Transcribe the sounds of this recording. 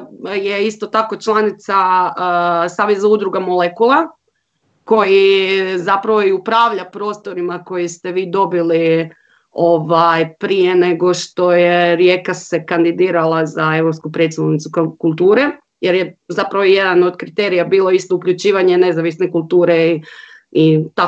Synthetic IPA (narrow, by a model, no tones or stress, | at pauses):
je̞ist̪o̞t̪ako̞t͡ʃlˠanit̪sa | saːʋezaud̪ɾuɡamo̞lekulˠa | ko̞jizapɾaʋo̞iupɾaːʋʎapɾo̞ːst̪o̞ɾimako̞jist̪eʋiːd̪o̞bili | o̞ʋajpɾijene̞ɡo̞ʃt̪o̞jeɾjekase̞kand̪id̪iːɾalˠazae̞ʋɾopskupɾe̞t̪st̪anit̪sukkulˠt̪uːɾe̞ | je̞ɾje̞zapɾaʋoje̞d̪ano̞d̪kɾit̪e̞ːɾijabiːlˠoist̪oukʎut͡ʃiːʋaɲe̞ne̞zaʋisnekulˠt̪uːɾe | it̪a